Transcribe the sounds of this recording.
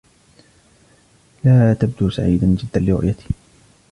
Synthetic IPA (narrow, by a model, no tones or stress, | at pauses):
laːt̪ab̚d̪uːsaʕiːd̪and͡ʒɪd̪ːanlɪɾʊ̰ʔjat̪ɪ̥